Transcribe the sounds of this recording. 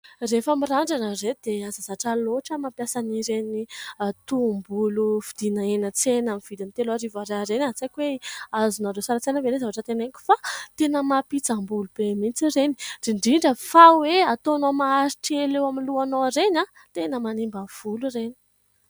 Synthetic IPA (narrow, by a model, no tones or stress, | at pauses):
refamiɾaɳɖ͡ʐanəred̪eazazaʈ͡ʂaloʈ͡ʂəmampjasaniɾenit̪umbulufid̪̥inəenət͡senamiv̥id̪ant̪elaɾivaɾaɾenaɦt͡sakʲweazunaɖ͡ʐosaɾat͡senəveɾezavaʈ͡ʂət̪eneŋkʲi̥fat̪enəmapit͡sambulub̥emint͡sireni̥r̥iɳɖ͡ʐiɳɖ͡ʐəfaweat̪oanoamaaɾiʈ͡ʂielewamiluanoɾena | t̪enəmanimbav̥ulureni̥